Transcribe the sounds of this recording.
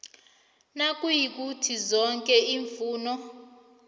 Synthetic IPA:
nak̬ʼujik̬ʼutʰizɔŋkʼɛiːɱfuːnɔ

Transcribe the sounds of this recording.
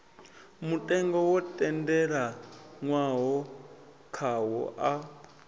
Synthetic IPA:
mutʼɛŋɡɔwɔtʼɛndɛɺaŋwaɦɔ | kʰaɦɔ̰ʔa

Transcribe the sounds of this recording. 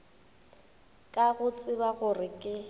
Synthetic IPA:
kʼaɣʊt͡sʼɪbaɣʊrɪkʼɪ

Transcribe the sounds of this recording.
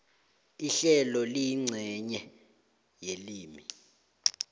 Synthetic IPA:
iɬɛlɔlijiŋ͡ǀʱɛɲɛ | jeliːmi

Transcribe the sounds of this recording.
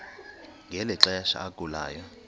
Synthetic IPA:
ŋɡʱɛlɛǁajaʃa̰ːɡʼula̰ːjɔ

